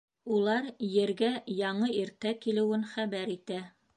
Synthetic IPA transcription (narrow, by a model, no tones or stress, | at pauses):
ulˠɑɾjɘ̆ɾɡæjɑɴɤiɾt̪ækilɘ̆wɘnχæβæɾit̪æ